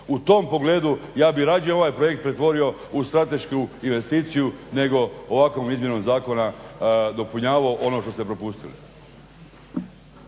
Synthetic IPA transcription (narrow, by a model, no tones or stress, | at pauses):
ut̪o̞mpo̞ɡle̞ːd̪ujaːbiɾaːd͡ʒionoʋaːjpɾoje̞k̚t̪pɾe̞t̪ʋo̞ɾio̞ | ust̪ɾat̪e̞ʃkuinʋe̞st̪iːt̪sijune̞ɡo̞oʋako̞ːmizmje̞nomzaːko̞nad̪o̞puɲaːʋaoʔo̞no̞ʃt̪o̞st̪epɾo̞pust̪ilḭ